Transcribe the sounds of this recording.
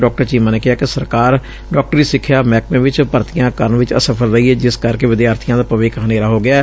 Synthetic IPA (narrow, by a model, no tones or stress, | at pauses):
ɖɔːk̚ʈəɾt͡ʃiːmãːneːkɪɦaːkɪsəɾkaːɾ | ɖɔːk̚ʈəɾiːsɪkʰːjaːmɛːk̚mẽːʋɪt͡ʃpəɾt̪ɪjãːkəɾənʋɪt͡ʃə̰səpʰəlɾəiːɛːd͡ʒɪskəɾkeːʋɪd̪jaːɾt̪ʰijãːd̪aːpəʋɪːkɦəneːɾaːɦoːɡɪaː